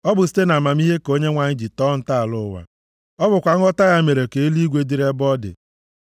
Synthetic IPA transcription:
ɔ˦bʊ˨si̥˦te˦na˨ma˨mi˦ɦe˦ko˦ɲe˦ŋʷa˨ɲɪ˦d͡ʒi˨tɔ˦n̩˨ta˦a˨lʊ˦˨wa̰˨ | ɔ˦bʊ˨kʷa˨ŋ̩˦ɔ˦ta˦ja˦me˨ɾe˨ke˨e˦li˦ɡʷe˦di˦ɾe˦bɔ˦dɪ̰˨

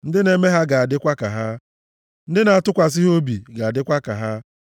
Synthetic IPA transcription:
n̩˦dɪ˦ne˨me˦ɦa˦ɡa˨a˨dɪ˦kʷa˦ka˨ɦa˦ | n̩˦dɪ˦na˨a˨tʊ˦kʷa˨s̬ɪ˦ɦo˦bi˨ɡa˨a˨dɪ˦kʷa˦ka̰˨ɦa˦

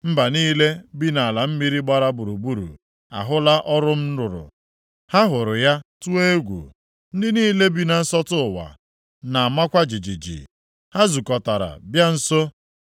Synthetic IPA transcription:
m̩˦ba˨niː˦le˦bi˦na˨la˨m̩˦mi˦ɾi˦ɡ͡ba˦ɾa˦bʊ˨ɾu˨bu˦ɾṵ˨ | a̰˨ɦʊ˦la˦ʔɔ˦ɾʊ˦m̩˦ɾʊ˨ɾʊ̰˨ | ha˦ɦʊ˨ɾʊ˨ja˦tu˦e˦e˦ɡʷṵ˨ | n̩˦dɪ˦niː˦le˦bi˦na˨n̩˦sɔ˦tʊ˦˨wa̰˨ | na˨a˨ma˦kʷa˦d͡ʒi˨d͡ʒi˨d͡ʒḭ˨ | ha˦zu˨kɔ˨ta˨ɾa̰˨bja˦n̩˦so˦

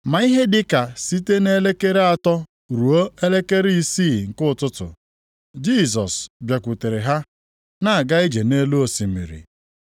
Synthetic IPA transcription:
ma˨˦i˦ɦe˦dɪ˨ka˨si˦te˦ne˦le˦ke˦ɾe˦a˨tɔ˦ | ɾu˨o˦e˦le˦ke˦ɾi˦i˦siː˦˨ŋ̩˨kʊ˦˨tʊ˦tʊ̰˨ | d͡ʒi˦˨z̬ɔ˨sbja˨kʷu˨te˨ɾɪ˨ɦa˦ | na˦a˨ɡa˦i˦d͡ʒe˨ne˦lu˦o˨si˨mḭ˨ɾḭ˨

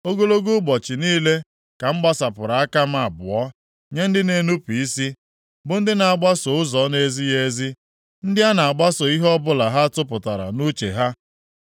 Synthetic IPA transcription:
o˦ɡo˦lo˦ɡu˦ɡ͡bɔ˨t͡ʃɪ˨niː˦le˦ | ka˨m̩˦ɡ͡ba˦sa˨pʊ˨ɾa˨a˦ka˦m̩˦a˨bʊ˨ɔ˦ | ɲe˦n̩˦dɪ˦ne˨nu˦pi˨i˦si˦ | bʊ˨n̩˦dɪ˦na˨a˨ɡ͡ba˦so˨ʊ˦zɔ˨˦ne˦zi˦je˦zi˦ | n̩˦dɪ˦a˦na˨a˨ɡ͡ba˦so˨i˦ɦɔ˦bʊ˦la˨ɦa˦tʊ˦p̬ʊ˨ta˨ɾa̰˨nu˦t͡ʃe˨ɦa˦

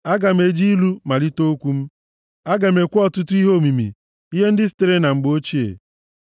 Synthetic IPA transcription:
a˦ɡa˨m̩˦e˨d͡ʒi˦lu˦ma˨li˦to˦o˦kʷu˦m̩˦ | a˦ɡa˨m̩˨e˨kʷʊ˦ɔ˦tʊ˦tʊ˦i˦ɦo˦˨mi˨mḭ˨ | i˦ɦe˦n̩˦dɪ˦stɪ˨ɾe˦na˨ŋ͡m̩˨ɡ͡bo˦t͡ʃi˦ḛ˨

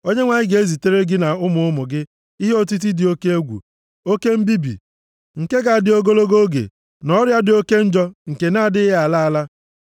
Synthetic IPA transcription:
o˦ɲe˦ŋʷa˨ɲɪ˦ɡe˦zi˨te˦ɾe˦ɡɪ˦na˨ʊ˦mʊ˨ʊ˦mʊ˨ɡɪ˦ | i˦ɦe˦o˦t̬i˦t̬i˦dɪ˨o˦ke˦e˦ɡʷṵ˨ | o˦ke˦m̩˦bi˦bḭ˨ | ŋ̩˨ke˦ɡa˨a˨dɪ˨o˦ɡo˦lo˦ɡo˦ɡḛ˨ | nɔ˦ɾja˦dɪ˨o˦ke˦n̩˦d͡ʒɔ˦ŋ̩˨ke˨na˦a˦˨dɪ˦ɪ˦ɦe˦a˨la˦a˦la˦

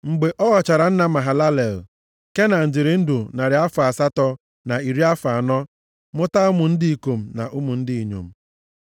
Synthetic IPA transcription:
ŋ͡m̩˨ɡ͡be˨ʔɔ˦ɣɔ˨t͡ʃa˨ɾa˨n̩˦na˦ma˨ɦa˨la˦le˨l | ke˦na˨n̩˨d͡ʒɪ˨ɾɪ˨n̩˦du˨na˨ɾɪ˨a˦fa˨sa˦tɔ˦ | na˨i˨ɾi˦a˦fa˨nɔ˦ | mʊ˦ta˦ʊ˦mʊ˨n̩˦dɪ˦i˨ko˨m̩˨na̰˨ʔʊ˦mʊ˨n̩˦dɪ˦i˨ɲo̰˨m̩˦˨

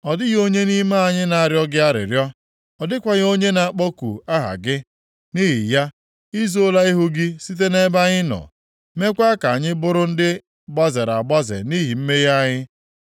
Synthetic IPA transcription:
ɔ˨dɪ˦ɣo˦ɲe˦ni˦ma˦a˨ɲɪ˦na˨a˨ɾjɔ˦ɡɪ˦a˦ɾɪ̰˨ɾjɔ˦ | ɔ˨dɪ˦kʷa˨ɣo˦ɲe˦na˨˦k͡pɔ˦kṵ˨a˦ɦa̰˨ɡɪ˦ | ni˦ɦḭ˨ja˦ | i˦zo˦la˦i˦ɦʊ˦ɡɪ˦si˦t̬e˦ne˦ba˦ɲɪ˦nɔ̰˨ | me˦kʷa˦ka˨ɲɪ˦bʊ˦ɾʊ˦n̩˦dɪ˦ | ba˦ze˨ɾa˨ba˦zḛ˨ni˦ɦi˨m̩˦me˦ja˦ɲɪ˦

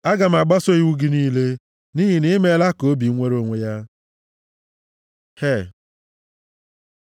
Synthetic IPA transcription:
a˦ɡa˨m̩˨a˨ɡ͡ba˦so˦i˦wu˦ɡi˦niː˦le˦ | ni˦ɦi˨ni˦me˦la˦ko˨˦bi˨˦ŋʷe˦ɾo˨ŋʷe˨ja˦ | he˦˨

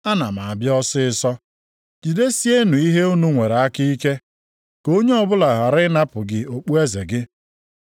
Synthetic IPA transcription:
a˦na˨ma˨a˨bjɔ˦sɪ˦ɪ˦sɔ˦ | d͡ʒi˨de˦si˦e˦nu˨i˦ɦe˦u˦nu˦ŋʷe˨ɾe˨a˦ki˦i˦ke˦ | ko˦ɲe˦ɔ˦bʊ˦la˨ɦa˨ɾɪ˦na˦pʊ˨ɡɪ˨o˨k͡pu˦e˦ze˨ɡɪ˦

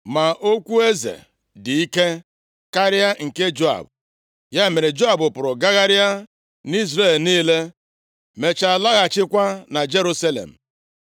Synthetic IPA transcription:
ma˨ʔo˦kʷu˦e˦zḛ˨ | di˨i˦ke˦ | ka˦ɾɪ˦a˦ŋ̩˨ke˦d͡ʒo˦a̰˨bʊ˨ | ja˦e˨me˨ɾe˨d͡ʒo˦a˨bʊ˨pʊ˨ɾʊ˨ɡa˦ɣa˦ɾɪ˦a˦ | ni˦zɾe˦˨lniː˦le˦ | me˨t͡ʃa˨la˦ɣa˨t͡ʃɪ˦kʷa˦na˨d͡ʒe˦ɾu˦sa˦lḛ˨m̩˨

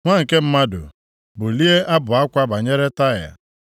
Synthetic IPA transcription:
ŋʷa˦˨ŋ̩˨ke˦m̩˦ma˦dʊ̰˨ | bʊ˨li˦e˦ʔa˦bʊ˨a˦kʷa˦ba˨ɲe˦ɾe˦ta˦˨ja̰˨

